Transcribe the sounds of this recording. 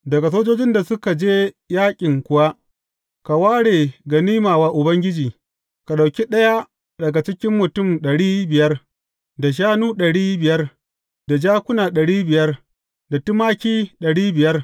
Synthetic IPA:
dɐ˨ɡa˨s̬oː˦d͡ʒoː˦d͡ʒɪ˦nda˨sʊ˦ka˨d͡ʒeː˦ | jaː˦kʲʼɪ˨ŋkʷʊ˦wa˦ʔ | ka˨waː˦ɽeː˨ɡɐ˨niː˦maː˨waː˦ʔʊ˨bɐ˦ŋɡʲɪ˦d͡ʒiː˨ | ka˨ɗa˨wkʲi˦ɗɐ˦ja˦ | dɐ˨ɡa˨t͡ʃɪ˦kʲɪ˦mːʊ˨tʊ˦˨mɗɐ˨ɽiː˦bɪ˨jɐ˦r | da˨ʃ̬aː˦nuː˦ɗɐ˨ɽiː˦bɪ˨jɐ˦r | da˨d͡ʒaː˦kʷʊ˦naː˨ɗɐ˨ɽiː˦bɪ˨jɐ˦r | da˨tʊ˦maː˦kʲiː˦ɗɐ˨ɽiː˦bɪ˨jɐ˦r

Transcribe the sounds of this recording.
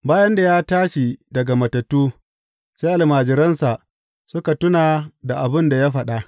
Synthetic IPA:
baː˦jɐ˦nda˨jaː˦taː˦ʃi˨dɐ˨ɡa˨mɐ˨tɐ˨tːuː˦ | seː˦ʔa˨lmaː˨d͡ʒɪ˨ɾɐ˦nsa˨ʔ | sʊ˦ka˨tʊ˦naː˨da˨ʔa˨bɪ˦nda˨ja˦ɸɐ˨ɗa˦ʔ

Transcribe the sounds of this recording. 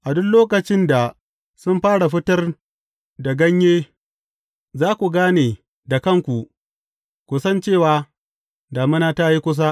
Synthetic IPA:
ʔa˨dʊ˦nloː˦kɐ˨t͡ʃɪ˦nda˨ | sʊ˦mɸaː˦ɽa˨ɸɪ˦tɐ˦r | da˨ɡɐ˦ɲjeː˦ | zaː˦kʷu˨ɡaː˦neː˨ | da˨kɐ˦˨ŋkʷu˨ | kʷu˨sɐ˦nt͡ʃeː˦˨waː˨ | daː˨mɪ˦naː˦ta˦ji˦kʷʊ˦s̬a˦

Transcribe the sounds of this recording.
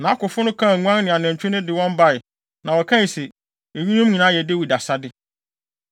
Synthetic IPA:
nã˨˦kʊ˨fʊ˦nʊ̃˦kʰã˦˨ŋʷũ˦ã˦n˦nɪ̃˨a˨næ̃˨ɲt͡ɕᶣɪ̃˦nʊ̃˦dɪ˨wɔ̃˦mba˦˨ɪ˨ | nã˨wɔ˨kʰã˦˨sɛ˨ | e˨ɥi˦nũ˦mɲĩ˨nãː˨˦jɛ˨de˦wi˨da˨sa˦dɪ˦

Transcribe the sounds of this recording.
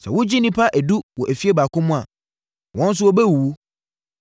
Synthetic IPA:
sɛ̰˨wʊ˦d͡ʑi˦nĩ˦pʰa˦ʔæ˨du˦wɔ˨ʔæ˨fi˦e˦baː˨kʰʊ̃˦mʊ̃˦a̰˨ | wɔ̃˦n̩˦s̬ʊ˦ɔ˦bɛ˦wu˨w

